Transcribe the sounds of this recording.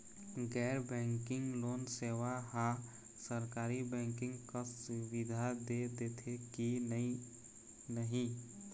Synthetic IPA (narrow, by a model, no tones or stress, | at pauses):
ɡɛːɾbɛ̃ːŋkɪ̃ŋɡloːnseʋaɦã | səɾkaːɾibɛ̃ːŋkɪ̃ŋɡkasʊʋid̪ʱad̪ed̪et̪ʰeki | nəɦĩ